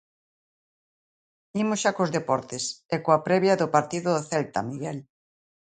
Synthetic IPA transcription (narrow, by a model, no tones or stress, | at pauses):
imosʃakozðepɔɾt̪ɪsɛkoapɾɛβjɐðopaɾt̪iðʊðoθɛlt̪ɐmiɣɛl